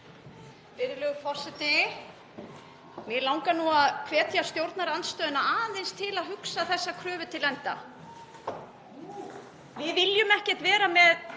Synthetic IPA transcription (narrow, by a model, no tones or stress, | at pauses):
pɪɾɪlœːɣʏfɔr̥sɛt̪ɪ | mɪlawŋkanuaðkʰvɛːt̪jast̪jowɾt̪naɾant̪st̪œːðʏnaaːðant̪ejnst̪ʰɪlaðɦʏksaθɛsːakʰɾœːvʏt̪ʰɪlɛnt̪a̰ | vɪðvɪljʏmɛhcɛ̥t̪vɛːɾamɛð